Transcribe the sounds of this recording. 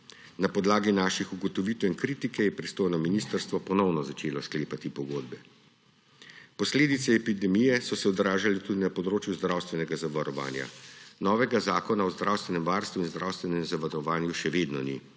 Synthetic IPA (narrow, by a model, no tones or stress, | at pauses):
napɔd̪laːɡinaːʃixuɡɔt̪ɔʋit̪winkɾiːt̪ikɛjɛpɾist̪oːjnɔminist̪əɾst̪ʋɔpɔnɔwnɔzat͡ʃeːlɔskleːpat̪ipɔɡoːd̪̚bɛ | pɔsleːd̪it̪sɛːpid̪ɛmijɛsɔsɛɔd̪ɾaːʒalɛt̪uːd̪inapɔd̪ɾoːt͡ʃjuzd̪ɾawst̪ʋɛnɛɡazaʋaɾɔʋa̰ːnja̰nɔːʋɛɡazaːkɔnaɔzd̪ɾawst̪ʋɛnɛmʋaːɾst̪ʋuinzd̪ɾawst̪ʋɛnɛmzaʋaɾɔʋaːnjuʃɛʋeːd̪nɔnḭ